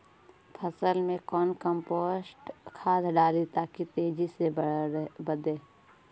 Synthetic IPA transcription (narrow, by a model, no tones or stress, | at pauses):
pʰəsəlmẽkɔːnkəmpoːsʈkʰaːd̪ɖaːlit̪aːkit̪eːd͡ʒise | bəd̪eː